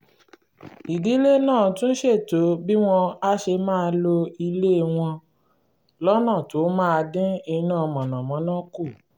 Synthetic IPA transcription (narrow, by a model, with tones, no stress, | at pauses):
i˨di˨˦le˦nãː˦˨tũ˦n̩˦ʃe˦˨to˨˦bi˦w̃ɔ̃˧a˦ʃe˧mãː˦˧lo˧i˧le˦˧w̃ɔ̃˧ | lɔ˦nã˦˨to˨˦mãː˦˨˧dĩ˦i˧nã˦˨˧mɔ̃˨nã˨mɔ̃˨˦nɔ̃˦ku˦˨